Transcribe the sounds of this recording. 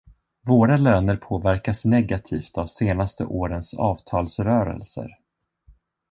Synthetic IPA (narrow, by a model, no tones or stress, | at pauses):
voːɾaløːnəɾpʰoːvæɾkasnɛɡat̪ʰiːft̪avseːnast̪ə̰ʔoːɾənsɑːvt̪ʰɑːlsɾœːɾə̰lsə̰ɾ